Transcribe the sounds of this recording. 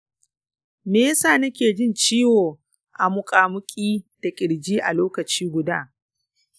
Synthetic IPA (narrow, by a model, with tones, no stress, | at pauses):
meː˦saː˦˨nɐ˦kʲeː˨d͡ʒɪ˦nt͡ʃiː˦woː˨ | ʔa˨mʊ˨kʼaː˨mʊ˦kʲʼiː˦d̥a˨kʲʼɪ˨ɽd͡ʒiː˦ʔa̰˨loː˦kɐ˨t͡ʃiː˦ɡʷʊ˨da̰ː˦